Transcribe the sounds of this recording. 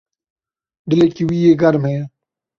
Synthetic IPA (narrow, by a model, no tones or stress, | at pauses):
ɖɪlekiwiːeːɡɐɾmɦẽː